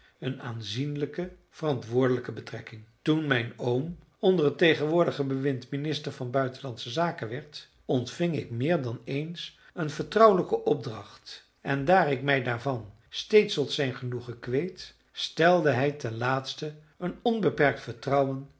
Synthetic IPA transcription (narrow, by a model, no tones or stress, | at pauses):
ənaːnzinləkə | v̥ərɑntʋʊːɹdələkəbətrɛkɪŋtunmɛjnowm | ɔndərətejχənʋʊːɹdəχəbəʋɪntminɪstəɹvɑnbœɥtənlɑnsəzaːkənʋɛɹt | ɔntfɪŋɪ̰kmɪːɹdɑnejns | ənvəɹtrʌwləkəʔɔb̚drɑχt | ɛndaːɹɪkmɛjdaːɹvɑn | stejtstɔtsɛjnχənuχəkʋejt | stɛlˠdəɦɛjtɛnlaːtstə | ənɔnbəpɛɹk̚tfəɹtrʌwən